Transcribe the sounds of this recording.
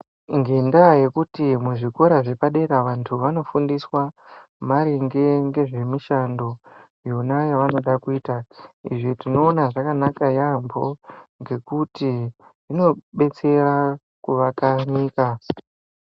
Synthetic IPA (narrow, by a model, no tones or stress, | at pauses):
ŋɡendaje̞kutimuʐiko̞ɾaʐe̞paɗe̞ɾaʋantʰuʋano̞fundiswa | maɾiŋɡe̞ŋɡe̞ʐe̞miʃando̞ | jonajaʋano̞ɗakuiːtaḭʐitino̞ːnaʐakanakajambo̞ŋɡe̞kuti | ʐino̞ɓe̞t͡se̞ra | kuʋakaniːka